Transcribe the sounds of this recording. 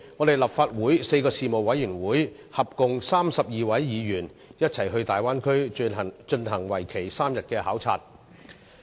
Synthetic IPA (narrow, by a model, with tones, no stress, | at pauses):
ŋɔː˨˧t̪e˨jlɐ˨˩p̚faː˧t̚wuː˨˥jse˧jkɔː˧siː˨mo˨˩wɐ˨˧˥jyː˨˩nwuː˨˥j | hɐ˨p̚kʊ˨˧ŋsaː˥msɐ˨p̚jiː˨˧wɐ˨˥jːiː˨˧jyː˨˩n | jɐ˥t̚t͡sʰɐ˨˩jɦɵ˧ɥt̪aː˨jwaː˥nkʰɵ˥ɥt͡ʃɵ˧nɦɐ˨˩ŋwɐ˨˩jkʰe˨˩jsaː˥mjɐ˨t̚kɛː˧haː˨˥wt͡sʰa̰ː˧t̚